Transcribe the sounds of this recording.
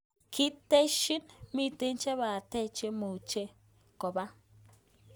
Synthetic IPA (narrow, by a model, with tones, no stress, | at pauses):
ki˦te˦ʃi˦nmi˦te˦nt͡ʃɛ˦βa˨te˦t͡ʃe˦mo˨t͡ʃe˦ | ko˨ba˦